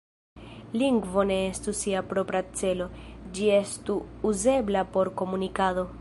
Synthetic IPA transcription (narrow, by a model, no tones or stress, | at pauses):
liŋɡvo̞ne̞estusiapɾo̞pɾat͡se̞lo̞d͡ʒie̞stuːze̞blapo̞ɾko̞munikado̞